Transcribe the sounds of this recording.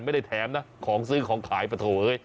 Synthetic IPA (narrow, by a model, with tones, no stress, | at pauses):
nma˥˩jda˥˩jt̪ʰɛː˨˦mna˦˥kʰɔː˩˦ŋs̬ɯː˦˥˩kʰɔː˩˦ŋkʰaː˩˦jpɾa˧t̪ʰoː˨˩ʔɤː˧j